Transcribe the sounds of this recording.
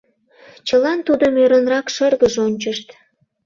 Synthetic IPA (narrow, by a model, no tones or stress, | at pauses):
t͡ɕəlɑnt̪ud̪əmøɾənrɑkʃərɣəʒonʲt͡ɕəʃt̪